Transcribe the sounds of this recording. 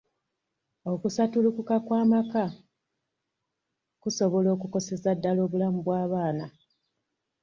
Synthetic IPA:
o̞kusatulukukakwaːmaka | kuso̞βo̞lo̞ːkuko̞se̞zadːalo̞ːβulamubwaːβaːna

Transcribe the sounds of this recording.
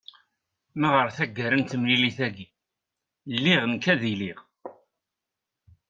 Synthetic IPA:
maʁəɾθæɡːəɾənt̪əmliliθæɡi | lːiʁənkæðiliʁ

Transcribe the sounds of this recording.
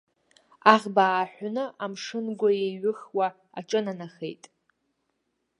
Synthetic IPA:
aʁʲbaːħʷnɨʔamʂɨnɡʷajeɥɨχwa | a̰ʈ͡ʂʼɨnanaχḛjtʼ

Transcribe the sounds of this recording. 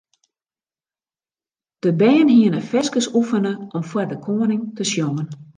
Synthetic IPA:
d̥əbɛːənɦiənəfɛskəsufənəʔɔmfwərdəkʰoːənɪŋtʰəsjɔːən

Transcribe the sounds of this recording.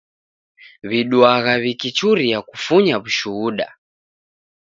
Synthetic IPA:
βiɗwaɣaβikit͡ʃuɾijaku̥fuɲaβuʃuuɗa̰

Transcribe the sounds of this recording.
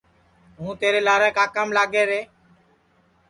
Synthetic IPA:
ɦũːt̪eːɾeːlaːɾaːkaːkəmlaːɡeːɾeː

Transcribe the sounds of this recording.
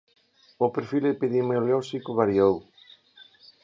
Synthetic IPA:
ʊpeɾfilepeðemeoloʃikʊβaɾiow

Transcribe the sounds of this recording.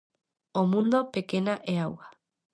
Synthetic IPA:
omũnd̪opekenaʔeawɣa

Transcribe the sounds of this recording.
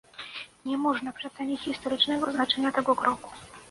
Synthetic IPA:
ɲɛmɔʐnapʂɛt̪sɛɲʲit͡ɕxʲist̪ɔɾɘt͡ʂnɛɡɔznat͡ʂɛɲat̪ɛɡɔkɾɔku̥

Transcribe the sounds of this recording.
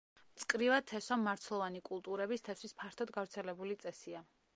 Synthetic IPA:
mt̪sʼkʼɾivat̪ʰːɛsɔmːaɾt̪sʰlˠɔvanikʼulˠt̪ʼuɾɛbist̪ʰɛsispʰaɾt̪ʰɔd̪ɡavɾt̪sʰɛlɛbulit̪sʼɛsia

